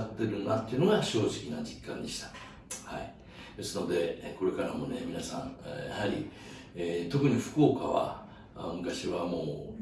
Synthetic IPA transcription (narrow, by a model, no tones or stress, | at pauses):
at̪ːe̞ɾɯ̟̃nd̪at̪ːeiɯ̟noɡaɕo̞ːʑikʲinad͡ʑikːã̰nd̪e̞ɕi̥t̪ḁ | hai | d̪̥e̞sɨno̞d̪e̞ko̞ɾe̞kaɾamo̞ne̞mʲinasã̰ɴjahaɾʲḭ | et̪o̞k̟ɲ̟iɸɯ̟̥ko̞ːkaβa̰ | mɯ̟kaɕiβamo̞ː